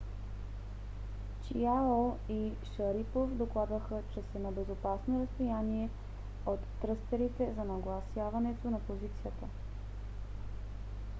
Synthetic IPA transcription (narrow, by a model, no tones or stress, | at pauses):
t͡ʃiaoiʃɐɾipofd̪oklˠad̪vəxət͡ʃɛsɛnɐbɛzopasnoɾəst̪ojaniɛ | ot̪ːɾɤst̪ɛɾit̪ɛzɐnɐɡlˠɐsjavɐnɛt̪onɐpozit̪sijət̪ə